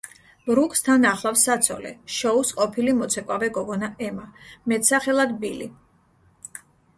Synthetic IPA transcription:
bɾukʼst̪ʰanaχlˠafsːat̪sʰɔ̰lɛ̰ʃɔusqʼɔpʰilimɔt̪sʰɛkʼwavɛɡɔɡɔnaʔɛmamɛt̪saχɛlˠad̪bilḭ

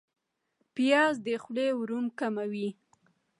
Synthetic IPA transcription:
pijɑzd̪əxlewɾumkamawi

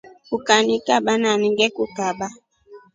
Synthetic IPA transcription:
ukanikaɓananiŋɡɛkukaɓa

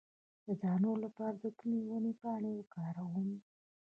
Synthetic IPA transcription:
d̪̥əd͡ʒɑnolapɑɾad̪ək̪unewənepɑɳewkɑɾawum

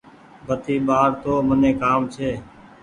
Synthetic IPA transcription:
bʱət̪iːɓaːɾt̪oːmənẽːkaːmt͡ʃʰeː

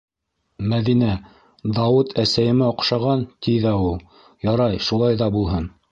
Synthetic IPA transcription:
mæðinæ | d̪ɑwɤt̪ʰæsæjɘ̆mæŏqʃɑʁɑnt̪iðæulˠ | jɑɾɑjʃulˠɑjðɑbulˠɦɤn

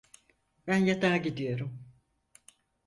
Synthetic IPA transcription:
bænjad̪aːɟid̪ijo̞ɾum

